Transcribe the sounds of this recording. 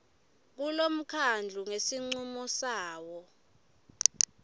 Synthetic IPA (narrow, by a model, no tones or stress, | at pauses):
k̬ulom̩kʰand͡ɮʱuŋesiŋ͡ǀumɔsaːwɔ